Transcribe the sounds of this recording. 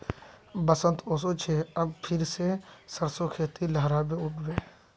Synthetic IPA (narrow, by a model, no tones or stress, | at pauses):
bəsə̃nt̪oːsot͡ʃʰeɐbpʰɪɾsesəɾsokʰeːt̪iləɦɾabẽʊʈʰbeː